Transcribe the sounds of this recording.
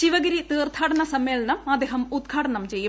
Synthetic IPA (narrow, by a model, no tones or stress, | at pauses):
ɕiʋɐɡɐɾit̪iːrt̪ʰaːʈɐɳɐsɐmːeːlɐnɐmɐd̪eːɦɐmud̪̚ɡʱaːʈɐɳɐmt͡ɕe̞jːu